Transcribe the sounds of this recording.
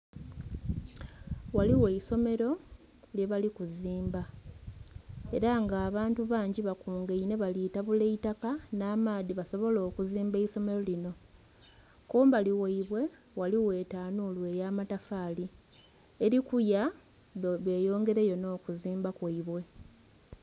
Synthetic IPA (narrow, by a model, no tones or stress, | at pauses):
waliwe̞iso̞me̞ɾo̞ | lje̞βalikuziːmba | eɾaŋɡaːβaːntuβaːɲɟiβakuːŋɡeine̞βaliːtaβuleitakanaːmaːðiβaso̞βo̞lo̞ːkuziːmbeiso̞me̞ɾolino̞ | koːmbaliweiβwe̞ | waliwe̞ːtaːnuːlwe̞ːjamatafaːli | eɾikuja | βe̞ːjo̞ːŋɡe̞ɾe̞jo̞no̞ːkuziːmbakwaiβwe̞